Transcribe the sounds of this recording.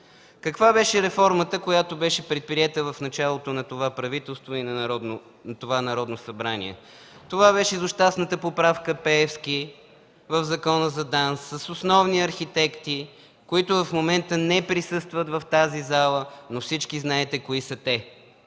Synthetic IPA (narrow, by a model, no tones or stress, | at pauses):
kɐkvabɛʃɛɾɛfɔɾmət̪əkojat̪obɛʃɛpɾɛt̪̚pɾiɛt̪əvɐfnɐt͡ʃalˠot̪onɐt̪ovapɾɐvit̪ɛlˠst̪voinɐɾɔd̪no | nɐt̪ovanɐɾɔd̪nosɐbɾanḭɛ̰ | t̪ovabɛʃɛzʊʃt̪asnət̪əpopɾafkəpɛɛfski | vəvzɐkɔnəzɐd̪ansːəsosnɔvniɐɾxit̪ɛkt̪i | koit̪ʊvɐfmomɛnt̪ənɛpɾisɤst̪vət̪vɐft̪azizalˠənofsit͡ʃkiznaɛt̪ɛkoisət̪ɛ